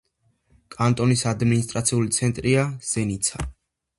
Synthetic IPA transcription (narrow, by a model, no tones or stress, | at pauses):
kʼant̪ʼɔnisad̪minis̬t̪ʼɾat̪sʰiulit̪sʰɛnt̪ʼɾiaz̥ɛnit̪sʰa